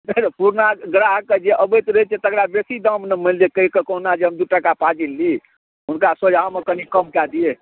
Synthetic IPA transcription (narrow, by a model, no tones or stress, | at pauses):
nət̪puɾnaɡɾaɦked͡ʒeʔəbət̪ɾəit͡ʃʰet̪əkɾabesid̪əmnemild͡ʒekəɦikekoɦnad͡ʒeɦəmd̪uʈakapad͡ʒilːi | ɦunkasod͡ʒʱaomekənikəmkad̪ie